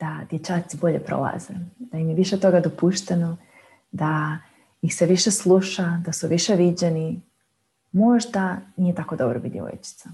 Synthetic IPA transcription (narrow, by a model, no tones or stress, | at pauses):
d̪̥ad̪̥je̞t͡ʃaːt̪sibo̞ʎe̞pɾo̞̰lˠa̰zḛd̪̥aimjeʋiʃet̪o̞ɡad̪opuʃt̪eno | d̪a | ixse̞ʋiʃe̞slˠuʃad̪asuʋiʃe̞ʋid͡ʑeni | mo̞ʒd̪anije̞t̪ako̞d̪o̞bɾobid̪jḛo̰jt͡ʃi̥t̪sa